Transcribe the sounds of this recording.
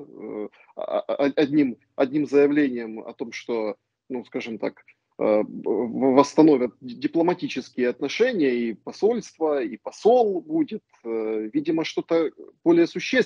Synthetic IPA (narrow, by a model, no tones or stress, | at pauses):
ɐɐdʲnʲim | ɐ̰dʲnʲimzəjɪvlʲenʲɪjəmɐ̰t̪o̞mʂt̪o̞ | nuskaʐɨmt̪a̰k | ə̰ | vəst̪ɐno̞vʲət̪̚dʲɪplˠəmɐtʲit͡ɕɪskʲɪjəɐt̪nɐʂɛnʲɪjəipɐso̞lʲst̪vəipɐso̞lˠbudʲɪt̪əvʲidʲɪməʂt̪o̞t̪əb̥o̞lʲɪjəsʊɕːes